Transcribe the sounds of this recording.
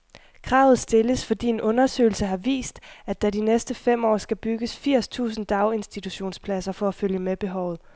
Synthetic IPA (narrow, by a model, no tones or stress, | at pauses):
kʰʁɑ̈ːʊð̞̩ˠsd̥e̝ləsfɒ̽d̥ḭːe̝nʔɔ̽nɐsø̰ɪl̩səɦɑ̈ʋḭːsd̥æd̥ædinesd̥əfem̰ɒ̰ːsɡ̥æb̥yɡ̥əsfiɐ̰st͡sʰṵːsn̩d̥ɑ̈ʊe̝nsd̥it͡sʰuɕo̝̰ːnspʰlæsɐfɒ̽æføljəmeb̥e̝ɦɒʊ̰ð̩ˠ